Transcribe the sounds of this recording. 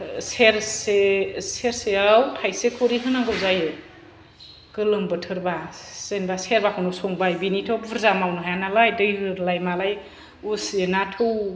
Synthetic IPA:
seɾseseɾseawtʰajsekʰoɾiɦɯnaŋɡɯwzajɯ | kɯlɯmbɯtʰɯɾbasenbaseɾbakʰɯnusɔŋbajbinitʰɔbbuɾzamawnɯɦajanalajdɯjhɯlajmalaj | usenatʰɯw

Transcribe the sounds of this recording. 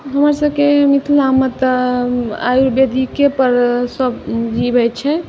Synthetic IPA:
ɦəməɾsəbkemit̪ʰulamət̪ | a̰juɾbjed̪ʱikepəɾsəbd͡ʒibɛt͡ʃʰɛ

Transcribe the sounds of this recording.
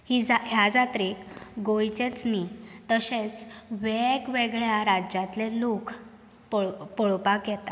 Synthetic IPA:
hid͡zaɦjad͡zat̪ɾekɡojt͡ɕet͡snit̪əɕet͡sʋeɡʋeɡɭjaɾad͡ʑat̪lelokʰ | ppɔɭpakjɛt̪a

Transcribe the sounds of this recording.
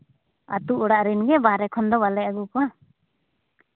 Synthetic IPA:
a̰t̪uʔɔɽaʔɾinɡɛbaɾɛkʰɔnd̪ɔbalɛaɡuka

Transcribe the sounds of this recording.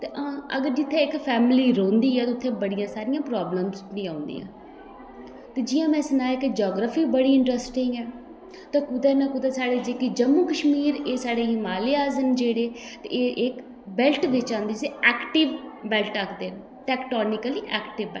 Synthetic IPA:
t̪eːʔãːəɡəɾd͡ʒɪt̪ʰːẽːɪkpʰɛːmliːɾõːnd̪iːɛːt̪ʊt̪ʰːẽːbəɽɪjãːsaːɾɪjãːpɾaːbləmsnĩːãːʊnd̪ḭːã̰ː | t̪eːd͡ʒɪjãːmɛ̃ːsənaːjeːkd͡ʒɔːɡɾəfiːbəɽiːɪɳʈɾəsʈɪŋɡɛː | t̪ãːkʊd̪ɛːnãːkʊd̪aːsaːɽeːd͡ʒeːkid͡ʒəmːuːkəʃmiːɾeːsaːɽeːɦɪmaːleːaːzənd͡ʒeːɽeːt̪eeːʔɪk | bɛlʈʋɪt͡ʃãːnd̪id͡ʒseɛːkʈɪʋbɛlʈəkʰd̪eːn | ʈɛːkʈoːnɪkəliːʔɛːkʈɪʋɛ

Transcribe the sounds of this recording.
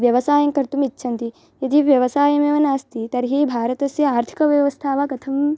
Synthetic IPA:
ʋjɐʋɐsaːjɐŋkɐɾt̪umitːʃʰɐnt̪i | jɐd̪iʋjɐʋɐsaːjɐmeʋɐnaːst̪it̪ɐɾɦeːbʱaːɾɐt̪ɐsjɐaːɾt̪ʰi̥kɐʋjɐʋɐst̪ʰaːʋakɐt̪ʰɐm

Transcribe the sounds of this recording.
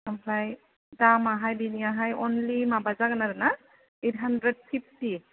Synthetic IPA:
ampʰlaj | damaɦajbiniaɦajɔnlimabazaɡanaɾɯna | et̚ɦandɾed̚pʰip̚ʰti

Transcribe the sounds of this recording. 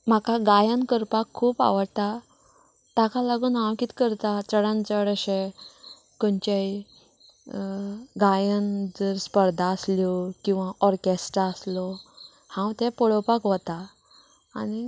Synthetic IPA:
m̤akaɡajənkəɾpakʰːuːpa̰ʋəɽt̪a | t̪akalaɡuːnãwkit̪kəɾt̪at͡səɽãnt͡səɽəɕe | kənt͡ɕaj | ɡajənd͡zəɾspəɾd̪ʱaːsljɔkĩw̃ʋãʔɔɾkesʈɾaəslɔ | hãwt̪ɛpɔɭɔpakʋət̪aː | ni

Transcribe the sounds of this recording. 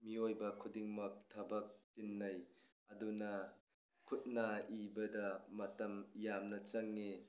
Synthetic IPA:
miojbɐkʰudiŋmɐk̚tʰɐbɐk̚tinːɐj | ɐdunɐ | kʰut̚naʔibɐdɐmɐtɐmjamnɐt͡ʃɐŋːi

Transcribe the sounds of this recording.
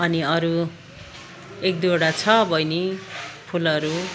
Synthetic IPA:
ʌniʌɾu | ek̚d̪eɽat͡sʰʌbʱʌjnipʰulʌɾu

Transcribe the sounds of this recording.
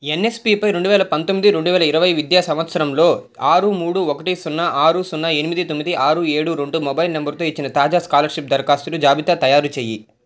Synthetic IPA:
enːe̞spipɐjɾe̞ɳɖuʋɛːlɐpɐnt̪omːid̪iɾe̞ɳɖuʋɛːlɐiɾɐʋɐjʋid̪jaːsɐmʋɐt̪sɐɾɐmlo̞ː | aːɾumuːɽuɔkɐʈisunːɐʔaːɾusunːɐe̞nimid̪it̪o̞mːid̪iʔaːɾue̞ːɽuɾe̞ɳɖumobajlnembɐɾt̪o̞ːit͡ʃːinɐt̪aːd͡ʒaːskaːlɐɾʃip̚d̪ɐɾkaːst̪ulud͡ʒaːbit̪at̪ɐjaːɾut͡ʃeːjḭ

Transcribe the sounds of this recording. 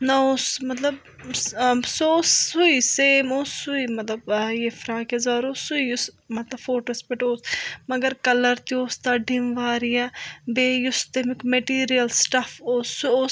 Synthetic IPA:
naosmɐt̪ləb | soːsuiːseːmoːsuiːmɐt̪ləbjeːfʰɾaːkɐzaːɾoːsʊiʊs | mɐt̪ləbfoːʈospɪʈoːsmɐɡəɾkɐləɾt̪ioːst̪aːɖɪmʋaːɾijaːbeːjʊst̪emɪkmeʈiːɾijəlsʈɐfʰoːsoː

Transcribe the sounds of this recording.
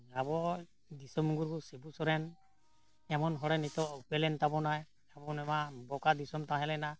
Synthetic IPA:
abɔ | d̪isɔmuŋɡuɾɡusebusɔɾɛn | ɛmɔnɦɔɽɛnit̪ɔupɛlɛnt̪abɔnaj | abɔnɛmabɔkad̪isɔmt̪ãɦɛlɛna

